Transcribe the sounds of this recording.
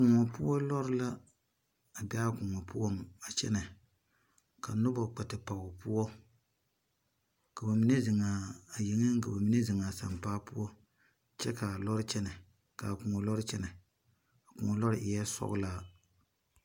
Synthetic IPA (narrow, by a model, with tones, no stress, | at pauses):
kʊ˨ŋɔ˨pu˦ɔ˦lɔ˦ɾɪ˦la˦ | a˨ba˦kʊ˨ŋɔ˨pu˦ɔ˦ŋ˨a˨t͡ʃɛ̰˦nɛ˨ | ka˨nʊ˦ba˨k͡pɛ˨tɨ˨pa˨ʊ˨pu˦ɔ˦ | ka˨ba˨mi˦nɛ˦zɪ˨ŋaː˨jɪ˨ŋɨ˦ŋ˦ka˨ba˨mi˨˦nɛ˦zɪ˨ŋa˨sa̰˨mpaː˦pu˦ɔ˦ | t͡ʃɛ˦ka˨lɔ˦ɾɨ˦t͡ʃɛ˦nɛ˨ | ka˨kʊ˨ŋɔ˨lɔ˦ɾɨ˦t͡ʃɛ˦nɛ˨ | a˨kʊ̰˨ŋɔ˨lɔ˦ɾɪ˦ʔɪ˨jɛ˦sɔ̰˦ɣʊ̰˦la˦